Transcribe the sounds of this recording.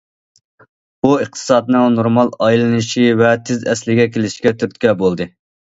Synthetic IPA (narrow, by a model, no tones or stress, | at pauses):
b̥uɨχt̪ʰɨ̥sɑːd̪ɨnɨŋnoɾmɑlˠɑjlˠɨnɨʃivɛt̪ʰɪzɛslɪɡʲɛkʲʰelɪʃkʲɛt̪ʰyɾt̪kʲɛbolˠd̪ɨ